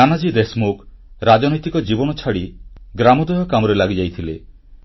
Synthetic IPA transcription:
anad͡ʒid̪esmokɾad͡ʒɔnɔjt̪ikɔd͡ʒibɔnɔt͡ʃʰaɽiɡɾamɔd̪ɔjɔkamɔɾelaɡid͡ʒajt̪ʰile

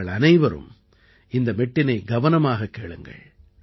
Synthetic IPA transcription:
ɐɭɐnɐɪʋɐɾɯ̰m | ɪnd̪ɐmɛʈːɪnɐɪɡɐʋɐnɐmaːɣɐkːeːɭɯ̰ŋɡɐ̰ɭ

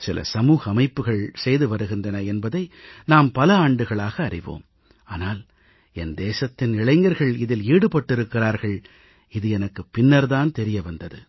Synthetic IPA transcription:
sɪlɐ̰sɐmuːɣɐːmɐɪpːɯɣɐɭsɛjðɯʋɐɾɯɣɪndrɐnɐɛnbɐðɐɪnaːmpɐlɐaːɳɖɯɣɐɭaːɣɐːrɪʋo̰ːm | aːnaːl | ɛnd̪eːsɐt̪ːɪnɪɭɐɪŋɡɐɾɣɐɭɪðɪliːɽɯpɐʈːɪɾɯkːɪraːɾɣɐɭ | ɪðɯɛnɐkːɯpːɪnːɐɾðaːnt̪ɛɾɪjɐʋɐnd̪ɐðɯ

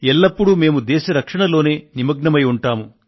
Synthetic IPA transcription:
ɛlːɐpːuɽume̞ːmud̪ɛːʃɐɾɐkʂɐɳɐlo̞ːne̞ːnimɐɡɳɐmɐjuɳʈaːmu

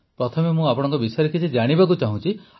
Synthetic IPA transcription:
pɾɔt̪ʰɔmemũapɔɽɔ̃ŋkɔbisɔjɾɔkit͡ʃʰid͡ʒaɽ̃ibak̬ut͡ʃaɦũt͡ʃʰi

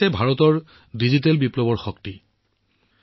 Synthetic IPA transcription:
ɛbʱaɹɔtɔɹ | dizitelbiplɔbɔɹxɔkti

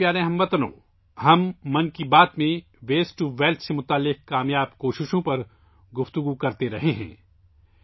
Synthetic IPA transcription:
jaːɾẽɦɐ̃mʋɐt̪ənõ̰ | ɦɐmːɐnkibaːt̪mẽ | ʋeːsʈuʋeːlʈ̪ʰsemʊt̪aːlːɪq̚kaːmjaːbkoːʃɪʃõpɐɾ | ɡʊft̪ʊɡukɐɾt̪eɾɐɦeɦɛ̰̃ː

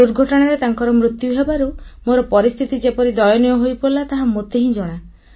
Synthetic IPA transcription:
uɾɡʱɔʈɔɽ̃aɾet̪aŋkɔɾɔmɾut̪juɦebaɾumoɾɔpɔɾist̪ʰit̪id͡ʒepɔɾid̪ɔjɔnjɔɦojpoɾlat̪aɦãmot̪eɦĩd͡ʒoɽ̃a

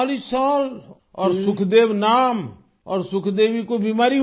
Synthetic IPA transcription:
lisaːl | ɔːɾsʊkʰd̪eːʋnaːm | ɔ̰ːɾsʊkʰd̪eːʋikobimaːɾi

